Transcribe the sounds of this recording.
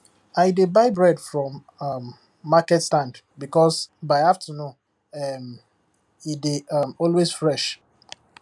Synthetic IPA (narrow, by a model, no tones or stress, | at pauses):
aɪdebaɪbɹɛdfɹɔ̃m | mː | akɛtstãnd | bikɔsbaɪaftʰənũn | ɛm | ideamɔlwesfɹɛʃ